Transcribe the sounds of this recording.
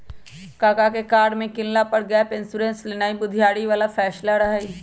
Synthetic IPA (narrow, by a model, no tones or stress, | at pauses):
kaːkakekaːɾɖmẽkɪllapɐɽɡjapɪnsuɾẽːnslenaːibʊd̪ʱjaːɽiʋaːlafʰɛːʃlaɾɐɦai